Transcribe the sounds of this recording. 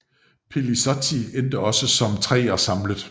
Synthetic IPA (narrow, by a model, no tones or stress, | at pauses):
pʰelisɒt͡sʰiend̥əɒ̽səsɒ̽mt͡sʰʁɛ̰ːɐsɑ̈mləðˠ